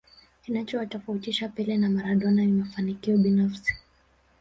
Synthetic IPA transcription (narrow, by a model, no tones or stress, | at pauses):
kinat͡ʃɔwatɔfautiʃapɛlɛnamaɾaɗɔnamimafanikiɔɓinafsi̥